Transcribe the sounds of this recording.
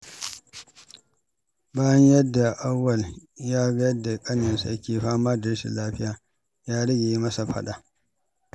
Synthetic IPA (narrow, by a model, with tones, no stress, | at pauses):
baː˦jɐ˦ɲjɐ˦dːa˨ʔa˦wːɐ˨ljaː˦ɡa˦jɐ˦dːa˨kʼɐ˦nɐ˨nsa˨jɐ˦kʲeː˨ɸaː˦maː˦dɐ˨ɽʃḭ˨laː˦ɸɪ˦jaː˨ | jaː˦ɽɐ˦ɡʲeː˨˦mɐ˦sa˨ɸɐ̰˦ɗa˨